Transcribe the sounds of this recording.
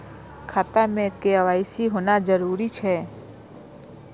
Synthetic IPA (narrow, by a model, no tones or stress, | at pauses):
kʰaːt̪amẽkeaʋaːisiɦoːnad͡ʒəɾuːɾit͡ʃʰɛː